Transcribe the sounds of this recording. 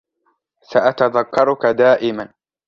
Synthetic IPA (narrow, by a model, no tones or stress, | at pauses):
saʔat̪aðakːɑɾˤʊkad̪aːʔɪman